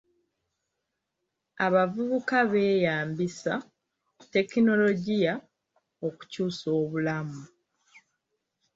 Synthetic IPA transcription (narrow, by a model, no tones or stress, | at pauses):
aβavuβukaβe̞ːjaːmbisa | te̞kino̞lo̞ɟija | oku̥cuːso̞ːβulamu